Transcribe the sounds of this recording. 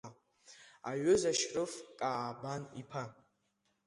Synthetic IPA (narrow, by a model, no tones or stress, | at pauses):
a̰ɥʏzaʃrʼɨfkʼaːbanipʰa